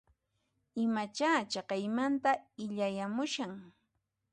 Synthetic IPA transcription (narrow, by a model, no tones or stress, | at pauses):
ɪmat͡ʃaːt͡ʃɑqɑjmant̪aɪʎajamʊʃaŋ